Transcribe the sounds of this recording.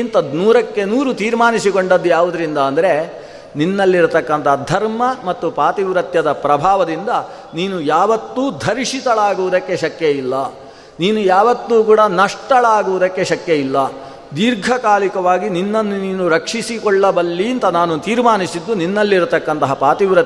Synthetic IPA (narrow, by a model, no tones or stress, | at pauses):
int̪ɐnuːɾɐkːe̞nuːɾut̪iːɾmaːnisikoɳɖɐd̪ːujaːʋud̪ɐɾind̪ɐːnd̪ɐɾe̞ | ninːɐlːiɾut̪ɐkːɐnt̪ɐɦɐd̪ʱɐɾmɐmɐt̪ːupaːt̪iʋɾɐt̪jɐd̪ɐpɾɐbʱaːʋɐd̪ind̪ɐ | niːnujaːʋɐt̪ːuːd̪ʱɐɾiʂit̪ɐɭaːɡuʋud̪ɐkːe̞ʃɐkjejilːɐ | niːnujaːʋɐt̪ːuːkuːɽɐnɐʂʈɐɭaːɡuʋud̪ɐkːe̞ʃɐkjejilːɐ | d̪iːɾɡʱɐkaːlikɐʋaːɡininːɐnːuniːnuɾɐkʂisikɔɭːɐbɐlːint̪ɐnaːnut̪iːɾmaːnisid̪ːuninːɐlːiɾut̪ɐkːɐnt̪ɐɦɐpaːt̪iʋɾɐt̪